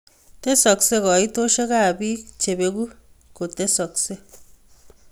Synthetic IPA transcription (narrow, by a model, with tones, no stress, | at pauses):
te˦sɔ˨kse˦kɔ˨i˦to˦ʃe˦ka˦˨bi˦t͡ʃe˨be˦ɡu˦ | ko˨te˦sɔ˨kse˦